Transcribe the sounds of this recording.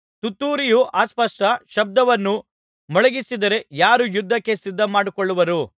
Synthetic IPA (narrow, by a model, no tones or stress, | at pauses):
t̪ut̪ːuːɾijuʔaːspɐʂʈɐʃɐb̚d̪ɐʋɐnːu | mɔɭɐɡisid̪ɐɾe̞jaːɾujud̪ʱːɐkːe̞sid̪ʱːɐmaːɽikoɭːuʋɐɾu